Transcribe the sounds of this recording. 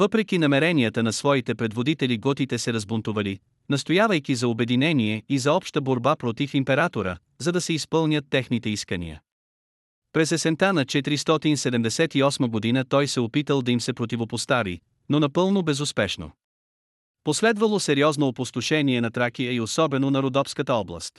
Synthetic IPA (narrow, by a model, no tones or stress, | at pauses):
vɤpɾɛk̟inɐmɛɾɛnijət̪ənɐsvɔit̪ɛpɾɛd̪vod̪it̪ɛliɡɔt̪it̪ɛsɛɾɐzbont̪ʊvɐli | nɐst̪ojavəjkizɐobɛd̪inɛniɛizɐɔpʃt̪əboɾbapɾot̪ifimpɛɾat̪oɾə̰ | zɐd̪ɐsɛispɤlˠnʲət̪ːɛxnit̪ɛiskənḭjə̰ | pɾɛsɛsɛnt̪anɐt͡ʃɛt̪ɾist̪ɔt̪insɛd̪ɛmd̪ɛsɛt̪iɔsməɡod̪inət̪ɔjsɛopit̪əlˠd̪ɐimsɛpɾot̪ivopost̪avḭ | nonɐpɤlˠnobɛzʊspɛʃno̰ | poslɛd̪vəlˠosɛɾiɔznoːpost̪oʃɛniɛnɐt̪ɾakijəiosɔbɛnonɐɾod̪ɔfskət̪əɔblˠə̰st̪